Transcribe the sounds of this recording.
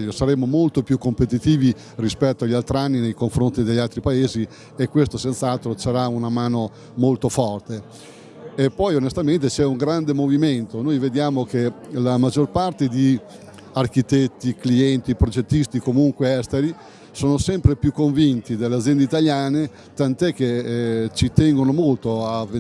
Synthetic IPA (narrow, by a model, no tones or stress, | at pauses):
ʎːosaɾemomolt̪opjukːompet̪it̪iːvi | rispɛt̪ːoaʎːalt̪ɾianːinejkoɱfɾont̪id̪eʎːalt̪ɾipaeːzi | ekːwest̪osent̪saalt̪ɾosaɾaunamaːno | molt̪ofɔrt̪e | epːɔjonest̪ament̪et͡ʃɛuŋɡɾand̪emoviment̪onojved̪jaːmok̟elamad͡ʒːorpart̪ed̪i | arkit̪et̪ːikliɛnt̪ipɾod͡ʒet̪ːist̪ikomuŋkweɛst̪eɾi | soːnosɛmpɾepjukːoɱvint̪id̪elːead̪zjɛnd̪eit̪aʎjaːne | t̪ant̪ɛk̟ːet͡ʃit̪ɛŋɡonomolt̪oave